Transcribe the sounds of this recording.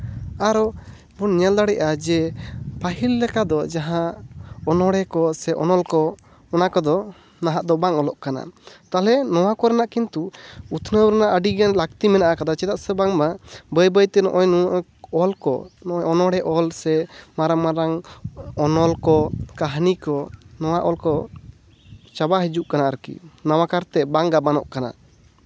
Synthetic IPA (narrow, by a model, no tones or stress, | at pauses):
aɾɔ | bunɲɛld̪aɽɛʔad͡ʒɛpaɦilːɛkad̪ɔd͡ʒaɦãɔnɔɽɛkɔsɛʔɔ̰nɔlkɔ | ɔnakɔd̪ɔ | naɦaʔd̪ɔbaŋɔlɔʔkana̰t̪alɛnɔwakɔɾɛnaʔkint̪uut̪ʰnəwɾɛnaʔəɖiɡɛnlak̚t̪imɛnaʔakad̪at͡ʃɛd̪aʔsɛbaŋbabəjbəjt̪ɛnɔ̰ʔɔjnuʔ | ɔlkɔ̰nɔʔɔjɔnɔɽɛʔɔlsɛmaɾaŋmaɾaŋɔnɔlkɔkaɦnikɔnɔwaʔɔlkɔ | t͡ʃabaɦid͡ʒuʔkanaʔɾəkḭnawakaɾt̪ɛbaŋɡabanɔʔkana̰